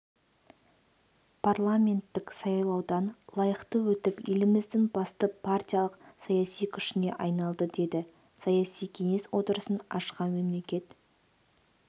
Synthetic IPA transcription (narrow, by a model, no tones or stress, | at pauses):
pʰarlˠamʲe̞nt̪ːɪksɑjlˠɑwd̪ɑnlˠɑjəqt̪əwɵt̪ɪpjḛlɪmɪzd̪ɪŋbɑst̪əpʰart̪ʲijalˠəqsɑjɑsijkʲʰʏʃɪne̞ʔɑjnɑlˠd̪əd̪e̞d̪ɪ | sɑjɑsijkʲʰe̞ŋe̞swo̞t̪əɾəsənɑ̰ʃqɑme̞mle̞kʲe̞t̪